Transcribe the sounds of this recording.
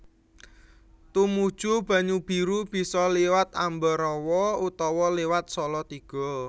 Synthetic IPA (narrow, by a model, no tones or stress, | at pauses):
t̪umud̥ʒ̥ub̥ä̤ɲub̥i̤ɾub̥i̤sɔliwat̪ambɔɾɔwɔut̪ɔwɔliwat̪̚sɔlɔt̪iɡ̥ɔ̤